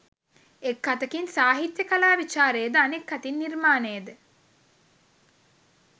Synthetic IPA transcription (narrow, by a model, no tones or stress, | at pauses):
ekːat̪əkinsaːɦit̪jəkalaːʋit͡ʃaːɾeːd̪əanekːat̪inːirmaːnejəd̪ə